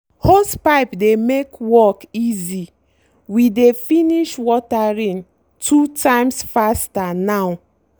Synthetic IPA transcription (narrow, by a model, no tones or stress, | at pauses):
hospaɪpdemekwɔkizi | widefiniʃwɔtaɹĩn | tʰutʰãɪmsfastanaʊ